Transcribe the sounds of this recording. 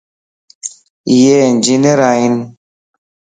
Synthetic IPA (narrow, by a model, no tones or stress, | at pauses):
jend͡ʒineɾain